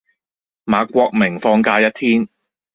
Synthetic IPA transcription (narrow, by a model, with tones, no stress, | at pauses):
maː˨˧kʷɔː˧k̚mɪ˨˩ŋfɔː˧ŋkaː˧jɐ˥t̚t̪ʰiː˥n